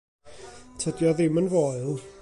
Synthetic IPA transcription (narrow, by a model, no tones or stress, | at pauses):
tʰədjɔðɪmənvoɨlˠ